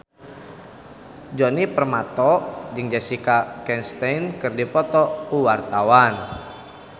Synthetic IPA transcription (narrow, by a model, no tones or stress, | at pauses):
d͡ʒɔnipərmat̪ɔd͡ʒɨŋd͡ʒasikakɛnst̪ɛjnkɨrdipɔt̪ɔuwart̪awan